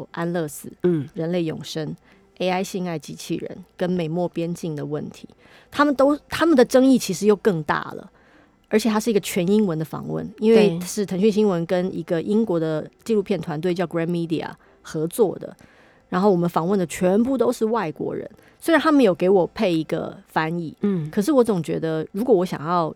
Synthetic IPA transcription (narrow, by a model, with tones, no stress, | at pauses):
ʔa˥nlɤ˥˧sɹ̩˥˩ɻə˧˥nle˥˩ɪjʊ̰˨˩ŋʂə˥ŋ | e˥ɪa˥ɪɕi˥˧ŋa˥˩ɪt͡ɕi˧˥t͡ɕʰḭ˥˩ɻə̰˧˦nkə˥nme˨˩ɪmwɔ˥˩pjɛ˥nt͡ɕi˥˩ŋd̪ə˩wə̰˥˩nt̪ʰḭ˧˥ | t̪ʰa˥mə˨t̪o˥ʊt̪ʰa˥mə˨nd̪ə˩ʈ͡ʂɤ˥ŋi˥˩t͡ɕʰi˧˥ʂɻ̩˧˥jo˥˧ʊkɤ˥˧ŋt̪a̰˥˩lə̰˩ | ə˞˧˥t͡ɕʰɛ˨˩t̪ʰa˥ʂɻ̩˥˩i˧˥ɡə˧t͡ɕʰɥɛ˧˥ni˥ŋwə˧˥nd̪ə˧fɑ̰˨˩ŋwə̰˥˩ni˥nwe˥˧ɪʂɻ̩˥˩t̪ʰɤ˧˥ŋɕy˥˧nɕi˥ŋwə˧˥nkə˥nḭ˧˥ɡə˧ʔi˥ŋkwɔ˧˥d̪ə˧t͡ɕi˥˧lu˥˧pʰjɛ˥˩nt̪ʰwa˧˥nt̪we˥˧ɪt͡ɕjɑ˥˩ʊɡɹɛ˥nmi˥d̪ḭ˨˩a̰˨˩ | xɤ˧˥t͡swɔ̰˥˩d̪ə̰˩ | ɻa˧˥nxo˥˩ʊwɔ˨˩mə˦nfɑ˧˥ŋwə˥˩nd̪ə˩t͡ɕʰɥɛ˧˥npu˥˧t̪o˥ʊʂɻ̩˥˧wa˥˩ɪkwɔ̰˧˥ɻə̰˧˥n | swe˥ɻa˧nt̪ʰa˥mə˨njo˨˩ʊke˧˥ɪwɔ˨˩pʰe˥˩ɪi˧˥ɡə̰˧fa˥ni˥˩kʰɤ˨˩ʂ̬ɻ̩˥˩wɔ˧˥t͡sʊ˨˩ŋt͡ɕɥɛ̰˧˥d̪ə˧ɻu˧˥kwɔ˨˩wɔ˧˥ɕjɑ̰˨˩ŋjɑ˥˧ʊ